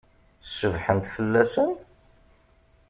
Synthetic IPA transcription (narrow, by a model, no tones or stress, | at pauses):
səvħənt̪fəlːæsən